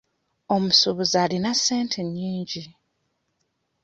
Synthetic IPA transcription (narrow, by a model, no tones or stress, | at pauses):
o̞musuβuzaːlinase̞ːntʰeɲːiːɲɟi